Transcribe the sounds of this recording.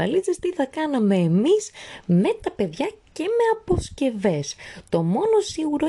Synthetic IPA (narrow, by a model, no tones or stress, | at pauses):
ɐlizest̪iθɐkɐnɐme̞ːmizme̞t̪ɐpe̞ðʝɐce̞me̞ɐpo̞sce̞ve̞st̪o̞mo̞no̞siɣuɾo